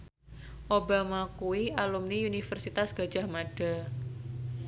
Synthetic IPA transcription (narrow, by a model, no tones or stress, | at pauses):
ʔobamakuialumniunifərsit̪asɡ̥a̤d̥d͡ʒa̤hmaɖ̥a̤